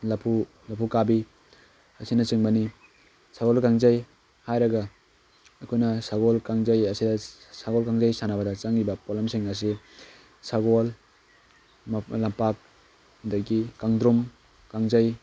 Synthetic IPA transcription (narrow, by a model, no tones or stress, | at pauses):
lapʰu | lapʰukabi | asinɐt͡ʃɯŋbani | saɡolkaŋzaj | hajɾɐɡa | ɐkʰojnɐsaɡolkaŋzajasidasaɡolkaŋzajsanabɐdɐt͡ʃaŋːibɐpolamsiŋas̬i | saɡol | lampak̚ | daɡikaŋdɾum | kaŋzaj